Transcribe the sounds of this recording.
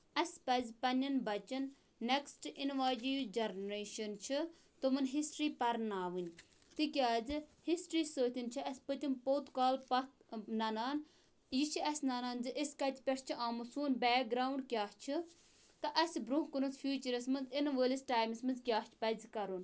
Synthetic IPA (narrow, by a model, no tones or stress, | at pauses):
ɐsʲpɐzʲpɐnʲɐnbɐt͡ʃɐnː | eksʈinʋaːd͡ʒijd͡ʒɐɾnɾeːʃɐnt͡ʃʰi | t̪umɐnɦisʈɾiːpɐɾnaːʋɨnʲ | t̪ikʲaːd͡zɨhisʈɾiːsəːt̪ʲint͡ʃʰiɐsʲpət̪ʲimpoːt̪kaːlpɐt̪nɐnaːn | jit͡ʃʰiɐsʲnɐnaːnzɨʔisʲkɐt̪ʰʲipʲest͡ʃʰiʔaːmɨsuːnbɛːk̚ɡɾaːwɳɖkʲjaːht͡ʃʰi | t̪ɐʔɐsʲbɾuɦkunut͡sfʰʲjuːt͡ʃəɾɐsmɐnzinʋəːlʲisʈaːjmsmɐnzkʲjaːht͡ʃʰi̥pɐzkɐɾun